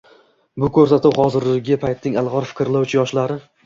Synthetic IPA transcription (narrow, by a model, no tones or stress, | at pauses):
bʊkʰɵɾsat̪ʊwχɒzɪɾlɪɡʲɪpʰajt̪nɪŋalˠʁɒɾfɪ̥kʲɾlawt͡ʃʰɪjɒʃlaɾɪ